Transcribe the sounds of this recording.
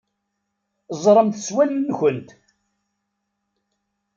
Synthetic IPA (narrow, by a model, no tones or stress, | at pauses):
zˤɾˤəmt̪əswælːənçənt̪